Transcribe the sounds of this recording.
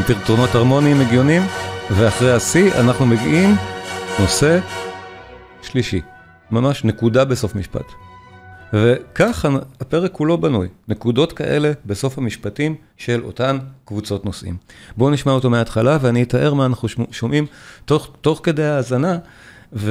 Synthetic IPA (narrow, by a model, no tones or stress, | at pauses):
tiʁtono̞thaʁmo̞niimeɡjo̞nimveaχʁejasia̰naχnumeɡiʔimno̞se̞ | ʃliʃi | mamaʃne̞kudabeso̞fmiʃpa̰t | ve̞kaχaapeʁekulo̞banujne̞kudo̞tkaʔe̞le̞beso̞fhamiʃpatim | ʃe̞lʔo̞̰tankvut͡so̞tno̞sʔḭmbo̞niʃmaoto̞meaːtχalaveaniitaʔe̞ʁmaːnaχnuʃomʔimtoto̞χke̞dejhaːzana | v